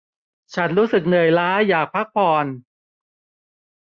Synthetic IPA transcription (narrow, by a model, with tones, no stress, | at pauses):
t͡ɕʰa˦˥nɾuː˦˥sɯ˨˩k̚nɯ˨˩əjlaː˦˥jaː˨˩k̚pʰa˦˥k̚pʰɔː˧˩n